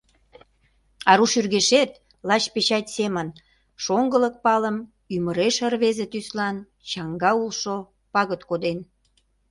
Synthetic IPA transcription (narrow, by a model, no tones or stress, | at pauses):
ɑɾuʃyrɣeʃet̪ | lɑt͡ɕpet͡ɕɑt̪ʲsemən | ʃoŋɡələk̚pɑləm | yməɾeʃərβezet̪yslɑn | t͡ɕɑŋɡɑulʃo | pɑɣət̪kod̪en